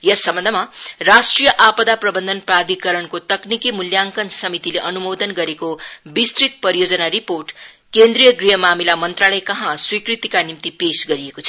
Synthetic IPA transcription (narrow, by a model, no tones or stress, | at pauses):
jʌsːʌmbʌnd̪ʱʌmarasʈrijʌʔapʌd̪aprʌbʌnd̪ʱʌnprad̪ʱikʌɾʌnkot̪ʌknikimuljaŋkʌnsʌmit̪ileʔʌnumod̪ʌnɡʌɾekobist̪rit̪̚pʌɾijod͡zʌnariporʈ | kend̪rijʌɡriɦʌmamilamʌnt̪ralʌjkʌɦãswikrit̪ikanimt̪ipesɡʌɾiekot͡sʰʌ